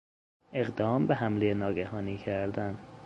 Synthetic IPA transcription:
e̞ɣd̪ɒːmbeɦæmlejenɒːɡæhɒːniːcʰæɾd̪æn

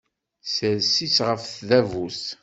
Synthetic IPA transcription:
səɾsisʁəfθðævus

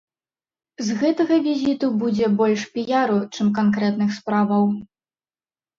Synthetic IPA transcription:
zɣɛt̪ɐɣɐvʲizʲit̪ubud͡zʲɛbɔlʲʂpʲijaɾut͡ʂɨmk̬ankɾɛt̪nɨxspɾavɐw

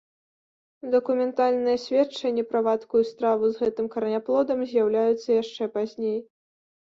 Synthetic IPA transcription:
d̪ɐkumʲɛnt̪alʲnɨjɐsʲvʲet͡ʂːɐnʲːɛpɾavat̪kujust̪ɾavuzɣɛt̪ɨmkɐɾnʲaplˠɔd̪ɐmzʲjawlʲajut̪sːɐjaʂt͡ʂɛpazʲnʲej

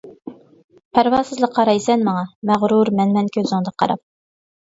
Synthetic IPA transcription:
pʰæɾvɑːsɨzlˠəqʰːɑɾɑjsɛnmɑŋɑmæʁɾuɾmænmɛnkʲʰøzɪŋd̪ɑqʰɑ̰ɾɑ̰p̚

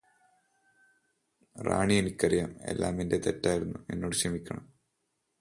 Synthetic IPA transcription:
ra̰ːɳijenikʲːɐrijɐme̞̰lːa̰ːminde̞t̪e̞tːaːjiɾunːue̞̰nːo̞ːɽɨɕrɐmikʲːɐɳɐm

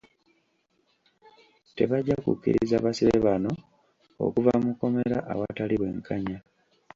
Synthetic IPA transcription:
te̞βaɟːakṵkːḭɾizaβasiβḛβano̞ | o̰kuvamuko̞me̞ɾaʔawataliβwe̞̰ːŋkʰaɲa

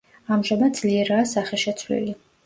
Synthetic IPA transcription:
amʒamad̪d̪z̥liɛɾaːsaχɛʃɛt̪sʰwlḭli

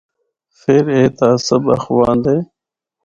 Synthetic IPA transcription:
feɾeːt̪aːsəbɐ̰xwaːnd̪eː

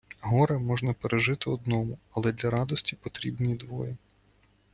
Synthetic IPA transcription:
ɦɔɾɐmɔʒnɐpeɾeʒɪt̪ɪɔd̪nɔmʊɐlˠɛd̪lʲɐɾɑd̪ɔsʲtʲipɔt̪ɾʲibnʲid̪ʋɔjɛ

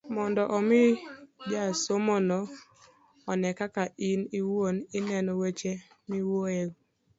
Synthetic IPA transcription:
mɔndɔʔɔmɪdjasomonɔ | ɔnɛkakainɪwonɪnɛnɔwɛt͡ʃɛ | miwoɛɡ

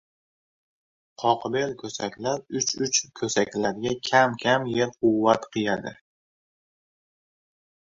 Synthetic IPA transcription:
qʰɒqbe̞lkʲʰɵsakʲlaɾʊt͡ʃʊt͡ʃkʰɵsakʲlaɾɡʲakʲʰamkʲʰamje̞ɾqʰʊwːat̪qʰɨjad̪ɪ

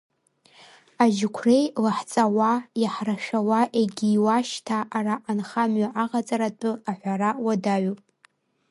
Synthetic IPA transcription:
aʒɪkʷʰre̞jlaħt͡sʼawajaħraʃᶣawaʔeɡʲiːwaʃtʰaʔːraʔːnχamɥaʔaʁat͡sʼaɾatʼɨaħʷaɾawadaɥu

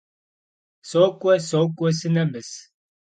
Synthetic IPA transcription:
sokʷʼɔsokʷʼɔsɨnɐmɨs

